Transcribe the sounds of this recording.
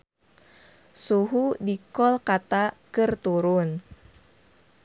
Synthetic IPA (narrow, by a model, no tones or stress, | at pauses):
suɦudikɔlkat̪akərt̪uɾʊn